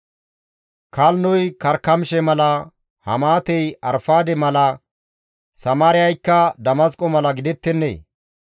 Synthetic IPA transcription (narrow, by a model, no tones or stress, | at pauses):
kɐlnɔjkɐɾkːɐmʃɛmɐlɐ | hɐ̰maːt̪ɛjɐɾfaːd̪ɛmɐlɐ | sɐmaːɾɪjɐjkːɐd̪ɐmɐskʼɔmɐlɐɡɪd̪ɛt̪ːɛnːḛː